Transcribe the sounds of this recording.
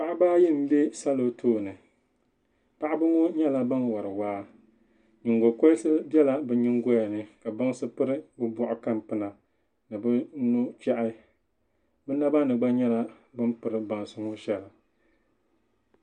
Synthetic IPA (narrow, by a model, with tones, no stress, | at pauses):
pa˨ʔa˦baː˦ji˦m̩˦be˦sa˦lo˦tʰoː˦˨nɨ˨ | pa˦ʔa˦bɨ˦ŋo˦ɲɛ˦la˦ba˦nwa˨ɾɨ˨waː˦ | ɲɪ˨ŋɡo˨ko˦lsɨ˦bjɛ˦la˦bɨ˨ɲɪ˦ŋɡo˦ja˨nɨ˦ka˨ba˦ŋ˦sɨ˦pɨ˦ɾɨ˦bɨ˦bɔ˦ʔʊ˨ka˦mpɨ˦na˨ | nɨ˨bɨ˦nu˦t͡ʃɛ˦ʔɪ˦ | bɨ˦na˦ba˦nɨ˨ɡ͡ba˦ɲɛ˦la˦ | bɨ˦mpɨ˨ɾɨ˨ba˨n˨sʊ˦ŋʊ˦ʃɛ˦la˨